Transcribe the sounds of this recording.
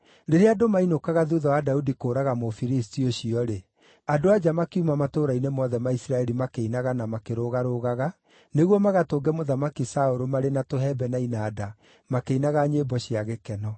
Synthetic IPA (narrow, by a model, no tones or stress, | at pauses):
ɾeɾeadomainokaɣaðuðawadaudikoːɾaɣamofiɾis̬tioɕiɔɾe | adoad͡ʒamakiumamatoːɾainemɔðɛmaisɾaɛɾimakeinaɣanamakeɾoɣaɾoɣaɣa | neɣwɔmaɣatoːɡɛmoðamakisaoɾomaɾenatoɦɛbɛnainaːda | makeinaɣaɲeːbɔɕiaɣekɛnɔ